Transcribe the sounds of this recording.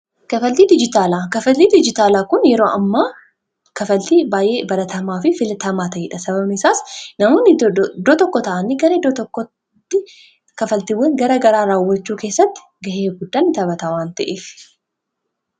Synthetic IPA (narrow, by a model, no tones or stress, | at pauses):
kɐfɐlt̪iːd̪ɪd͡ʒɪt̪aːlaːkɐfɐlt̪iːd̪ɪd͡ʒɪt̪aːlaːkʊnjɛɾoːʔɐmːaː | kɐfɐlt̪iːbaːjʔe̞ːbɐɾɐt̪ɐmaːfɪfɪlt̪ɐmaːt̪ɐʔeːᶑɐsɐbɐbsaːsnɐmoːnːɪd̪oːt̪ɔkːɔt̪ɐʔɐniɡɐɾɐd̪ot̪ɔkːɔ | t̪ːɪ | kɐfɐlt̪iːwːɐŋɡɐɾɐɡɐɾaːɾaːwːɐt͡ʃːuːke̞ːsːɐt̪ːɪ̥ɡɐheːfɡʊd̪ːaːnːɪt̪ɐβɐt̪ɐwaːnt̪ɐʔeːf